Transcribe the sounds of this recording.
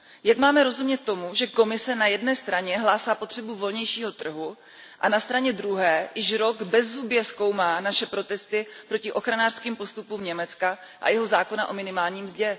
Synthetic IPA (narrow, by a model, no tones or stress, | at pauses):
jakmaːmɛɾo̞zumɲɛt̪ːo̞muʒɛko̞mɪsɛnajɛdnɛːst̪ɾaɲɛɦlaːsaːpo̞t̪r̝̥ɛbuvo̞lɲɛjʃiːɦo̞t̪r̩ɦu | ʔanast̪ɾaɲɛd̪ɾuɦɛːjɪʃɾoɡbɛzɦubjɛsko̞wmaːnaʃɛpɾo̞t̪ɛst̪ɪpɾocɪʔo̞xɾanaːr̥skiːmpo̞st̪upuːmɲɛmɛt͡ska | ʔa̰jɛɦo̞zaːko̞naʔo̞mɪnɪmaːlɲiːmzɟɛ